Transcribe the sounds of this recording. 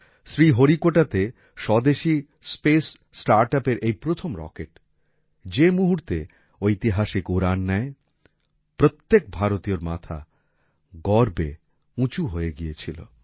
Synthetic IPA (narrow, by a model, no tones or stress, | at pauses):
sɾiɦoɾikoʈat̪e | ʃɔd̪eʃi | spesː | ʈaɾʈapeɾʔejpɾot̪ʰomɾɔ̰keʈ | d͡ʑemuɦuɾt̪e | ojt̪iɦaʃikuɾanːɛe | pɾot̪ːek̚bʱaɾot̪ijoɾma̰t̪ʰa̰ | ɡɔɾbḛ | ũt͡ɕuɦoeɡiet͡ɕʰilo̰